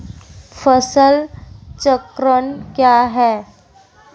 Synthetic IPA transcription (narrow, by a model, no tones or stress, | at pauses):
fəsəlt͡səkɾəɳkjaɦɛ